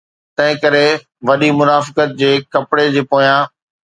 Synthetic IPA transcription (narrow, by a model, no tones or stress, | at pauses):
t̪ɐ̃ɦɪ̃kɐɾe | ʋɐɗimʊnaːfɪ̥kət̪̚d͡ʑeːkɐpɽed͡ʑeːpoːjãː